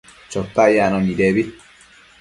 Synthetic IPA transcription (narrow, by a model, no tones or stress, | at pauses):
t͡ʃɔt̪ːajanɔnid̪eːbi